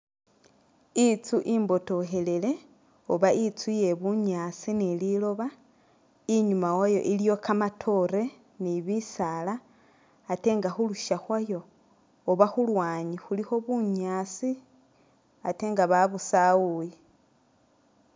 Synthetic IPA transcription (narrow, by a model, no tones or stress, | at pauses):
it͡suʔiːmbo̞to̞xe̞le̞le̞ | oβaʔit͡suje̞βuɲasinililo̞βa | iɲumawajo̞̰ʔilijo̞kamatʰo̞ɾe̞ | niβisalaː | te̞ŋɡaxuluʃaxwajo̞ː | βaxulwaːɲixulixo̞βuɲaːsi | ate̞ːŋɡaβaβusawuji